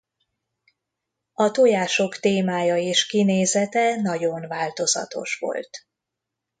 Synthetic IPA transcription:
ɒt̪ojaːʃo̞kt̪eːmaːjɒeːʃkineːzɛt̪ɛnɒɟo̞nvaːlt̪o̞zɒ̰t̪o̞̰ʃʋo̞̰lt̪

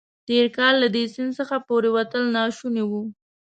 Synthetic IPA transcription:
t̪eɾkɑlːad̪esɪnsəxapoɾewat̪əlnɑʃunewu

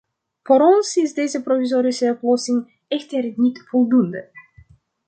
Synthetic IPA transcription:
foɾɔnsɪsdejzəprofizoːɾisəɔplɔsɪŋ | ɛxtərnitfɔlˠdundə̰

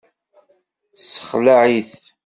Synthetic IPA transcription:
sə̥χlaʕiθ

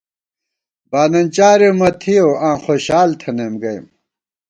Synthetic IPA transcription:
baːnɐnt͡ɕaːɾemɐt̪ʰijoãːxoɕaːlt̪ʰɐnemɡɐj̰m

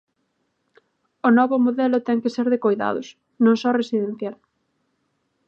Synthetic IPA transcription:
ʊnɔβʊmoðɛlʊt̪ɛŋkɪseɾðekojða̰ð̞ʊ̰s | nõŋsɔresiðẽn̟θjal

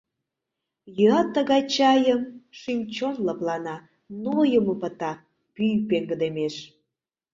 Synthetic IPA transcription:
jøɑt̪ːəɣɑjt͡ɕɑjəmʃynʲt͡ɕonləplɑnɑ | nojəməpət̪ɑ | pyjpeŋɡəd̪emeʃ

